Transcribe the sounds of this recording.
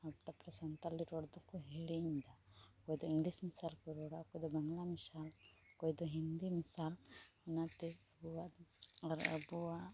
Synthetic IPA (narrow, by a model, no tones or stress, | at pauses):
ɐb̚t̪apɾɐsɐnt̪aliɾoːɽd̪okuɦeːɽiĩnd̪akoːjd̪ɔĩŋɡlismisaːlkuɾoːɽakoːjd̪ɔbɐŋɡlamisaːl | koːjd̪ɔɦind̪imisaːlɐnat̪eɐbuaɔɾɐ̰bua